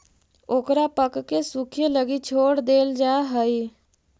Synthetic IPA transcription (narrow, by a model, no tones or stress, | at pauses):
oːkɾaːpəkːesukʰjeləɡit͡ʃʰoːɽd̪eːld͡ʒaːɦəiː